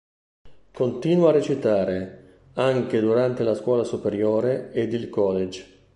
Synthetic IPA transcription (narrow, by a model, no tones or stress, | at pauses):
kont̪iːnwaaret͡ʃit̪aːɾe | aŋk̟ed̪uɾant̪elaskwɔːlasupeɾjoːɾeed̪ilkɔled͡ʒ